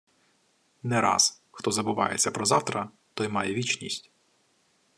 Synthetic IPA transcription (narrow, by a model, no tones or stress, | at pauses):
nɛɾɑ̰s | xt̪ɔzɐbʊʋɑ̰jet͡sʲːɐpɾɔzɑwt̪ɾɐ | t̪ɔjmɑjɛʋʲit͡ʃnʲisʲtʲ